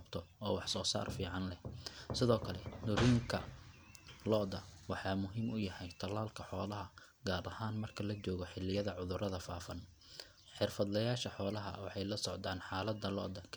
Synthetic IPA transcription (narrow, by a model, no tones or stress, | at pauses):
ɐbt̪ʰɔɔːwɑħsɔːsa̰ːrfiːʕɑnlɛhsɪðɔːkʰɐlɛd̪ʊɾiːŋkʰɐ̰ | lɔʔd̪ɐwɑħɑːmʊɦiːmʔʊjɐhɛjt̪ʰɐlaːlkʰɐħɔːlɐɦɐ | ɡaːɾɐhaːnmɐrkʰɐlɐt͡ʃɔːɣɔħɪlɪjɐðɐʕʊðʊɾɐðɐfa̰ːfɐn | ħɪrfɐd̪lɐjaːʃɐħɔːlɐɦɐ̰wɑħɑjlɐsɔʕd̪aːnħɑːlɐd̪ɐlɔ̰ʔd̪ɐkʰ